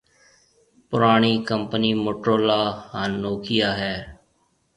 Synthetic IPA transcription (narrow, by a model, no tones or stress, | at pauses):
pʊɾaːɳ̃iːkəmpəniːmoːʈɾoːlaːhaːnːoːkʰɪjaːɦɛː